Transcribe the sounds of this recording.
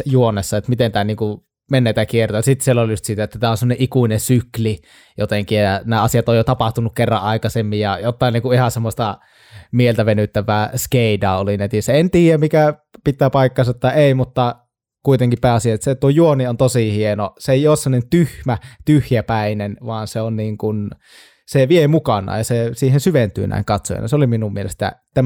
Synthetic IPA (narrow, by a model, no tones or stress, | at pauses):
juonːˑesːɑet̪mit̪ent̪æːniːŋku | menːeit̪ækiert̪ojɑsit̪sielːoljust̪siːt̪æet̪ːæt̪æːonsemːoneʔikuinensykli | jot̪eŋkiɑnæːɑsijɑt̪ojjot̪ɑpɑht̪unukkerːɑ̰ʔʔɑˑikɑsemːijjɑjot̪ːɑˑiniːŋkuihɑsemːosʲt̪ɑ | mielt̪æʋenyt̪ːæʋˑæːskeˑidɑolinæt̪isæent̪iːjæmikæ | pit̪ːˑæːpɑˑikːˑɑˑnsɑt̪ːɑeˑimut̪ːɑ | kuit̪eŋkippæːɑsijɑt̪set̪uojuoniont̪osihienoseeˑijˑoːssemonent̪yhmæt̪yhjæpæˑinenʋɑːnseonniːŋkun | seʋiemukɑnˑɑ̰ːjɑsesiːhensyʋent̪y̰ːnæ̰ˑḭŋkɑt̪so̰jɑ̰nɑ̰seoliminumielḛst̪æ̰t̪æ